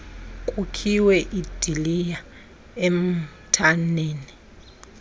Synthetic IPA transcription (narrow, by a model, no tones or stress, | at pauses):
kʼukʰiwɛʔid̥ʱilija | em̩tʰaneːni